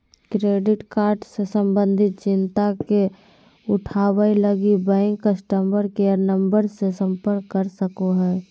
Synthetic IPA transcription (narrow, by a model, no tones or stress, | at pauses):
kɾeːɖɪʈkaːɾɖsesəmbə̃nd̪ʱɪt̪̚t͡ʃɪnt̪ake | ʊʈʰaːwəiləɡibɛ̃ŋkːəsʈəmbəɾkeəɾnəmbəɾsesə̃mpəɾkːəɾsəkoɦɛː